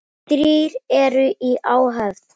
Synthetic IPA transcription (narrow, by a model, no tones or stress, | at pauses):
t̪ɾiːɾɛɾʏʔiʔaːwɦafð